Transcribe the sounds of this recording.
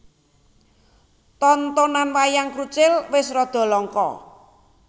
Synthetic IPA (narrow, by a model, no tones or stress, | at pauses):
t̪ɔnt̪ɔnanwajaŋkɾut͡ʃɪlwɪsrɔd̪̥ɔ̤lɔŋkɔ̰